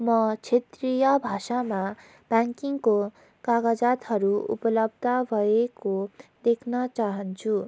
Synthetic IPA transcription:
mʌt͡sʰet̪rijʌbʱasama | b̥jaŋkiŋko | kaɡad͡zat̪ɦʌɾuṵpʌlʌbʱd̪ʱʌbʱʌekod̪ekʰnʌt͡saɦʌnt͡sʰu

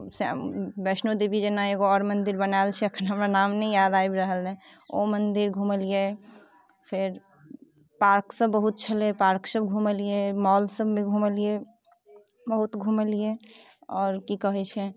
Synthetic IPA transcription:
sḛbɛsnod̪ibid͡ʒenaeɡoɔɾmənd̪iɾbənalt͡ʃʰɛəkʰnɦəmɾanamnɛjad̪aibɾəɦəlnɛ | omənd̪iɾɡʱũməlije | pʰeɾ | paɾksəbːəɦut̪̚t͡ʃʰəlepaɾksəbɡʱuməlijemɔlsəbmẽɡʱuməlije | bəɦut̪ɡʱuməlijeɔːɾkikəɦɛt͡ʃʰɛ

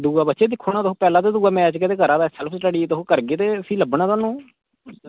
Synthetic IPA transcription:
d̪uːaːbət̪ːʃeːd̪ɪkʰːoːnaːt̪oɦõːpɛːlãːt̪eːd̪uːaːmɛ̃ːt͡ʃket̪eːkəɾãːt̪asɛləpʰsʈəɽiːt̪oɦõːkəɾɡeːt̪eːəsĩːləbɳãːt̪aːnũː

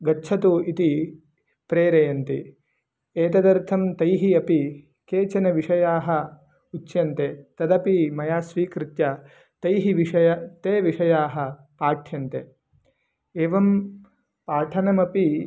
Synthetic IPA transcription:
ɡɐtːt͡ʃʰɐt̪uit̪i | pɾeːɾɐjɐnt̪i | eːt̪ɐd̪ɐɾt̪ʰɐmt̪ɐjɦiɐpi | keːt͡ʃɐnɐʋiʂɐjaːɦɐ̆ | utːʃjɐnt̪et̪ɐd̪ɐpimɐjaːsʋiːkɾɪt̪jɐ | t̪ɐjɦiʋiʂɐjɐt̪eːʋiʂɐjaːɦɐ̆ | paːʈʰjɐnt̪e | eːʋɐm | paːʈʰɐnɐmɐpi

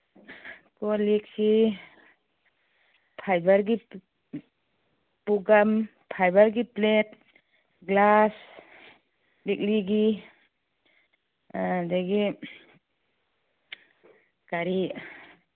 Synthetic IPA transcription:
kɔliksi | pʰajbaɾɡi | puɡam | pʰajbaɾɡiplet̚ | ɡlas | lik̚liɡi | daɡi | kaɾi

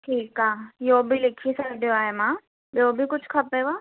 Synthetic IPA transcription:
ʈʰiːkaːjoːbʱilɪkʰiesaɖijoaːemãː | joːbʱikʊt͡ʃʰkʰɐpɛbaː

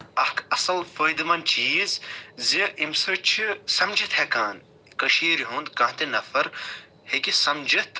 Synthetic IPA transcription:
ɐhkʰɐsɐlfojd̪ɨmɐnt͡ʃiːzziʔimsɨt͡ʃʰisɐmd͡ʒit̪hekaːn | kɐʃiːɾɦũnd̪kɐ̃ːɦt̪inɐfɐɾ | hekisɐmd͡ʒɐt̪

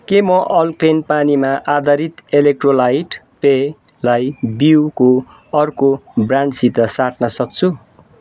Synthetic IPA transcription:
kemʌʔʌlklenpanimaʔad̪ʌɾit̪elek̚ʈrolajʈ | pe | lajbiwko | ʌrkobraɳɖsit̪ʌsaʈnʌsʌk̚t͡sʰu

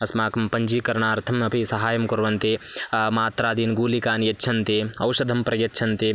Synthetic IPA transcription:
ɐsmaːkɐmpɐɲd͡ʒiːkɐɾɳaːɾt̪ʰɐmɐpʰisɐɦaːjɐmkɐɾʋɐnt̪emaːt̪ɾaːd̪iːnɡuːlikaːnjɐtːt͡ʃʰɐnt̪eːɐwʃɐd̪ʱɐmpɾɐjɐːʃʰɐnt̪eː

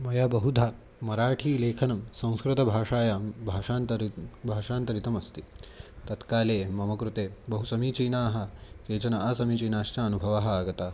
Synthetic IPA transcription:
mɐjabɐɦud̪ʱaː | mɐɾaːʈʰiːleːkʰɐnɐmsɐ̃w̃skɾut̪ɐbʱaːʂaːjaːmbʱaːʂaːnt̪ɐɾbʱaːʂaːnt̪ɐɾit̪ɐmɐst̪it̪ɐt̪kaːleːmɐmɐkɾut̪eːbɐɦusɐmiːt͡ʃiːnaːɦɐ̆keːt͡ʃɐnɐɐsɐmit͡ʃiːnaːʃt͡ʃaːɐnubʱɐʋaːɦɐaːɡɐt̪aː

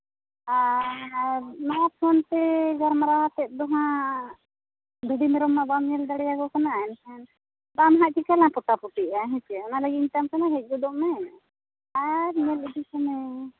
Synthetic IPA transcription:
a | nat̪sʰɔnt̪ɛɡaɾmaɾawat̪ɛt̪̚d̪ɔɦã | d̪uɖimɛɾɔmːabamɲɛld̪aɽɛjaɡɔkɔnaːɛnsʰɛn | bamɦaʔkikalãpɔʈapuʈiaɦɛ̃t͡ʃɛɔnalaɡiɲt̪amkanaɦɛc̚ˀɡɔd̪ɔʔmɛ | aɾɲɛlid͡ʒikɔmɛ

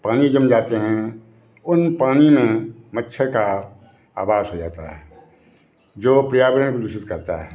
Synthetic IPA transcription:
paːnid͡ʒəmd͡ʒaːt̪eɦɛ̃ | ʊnpaːnimẽmətːʃʰəɾka | a̰ːbaːzɦod͡ʒa̰ːt̪aɦɛ | d͡ʒoːpɾijaːʋəɾənkod̪ʊʃɪt̪kɐɾt̪aɦɛː

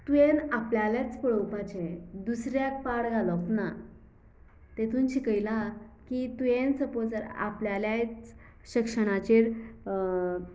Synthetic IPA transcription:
t̪ujenapljaljat͡spəɭəwpat͡ɕed̪usɾjak̚paɽɡʱalɔkna | t̪et̪ʰunɕikəjlakit̪ujẽnsəpot͡səɾa̰pljaljat͡s | ɕikʂəɽ̃at͡ɕeɾ

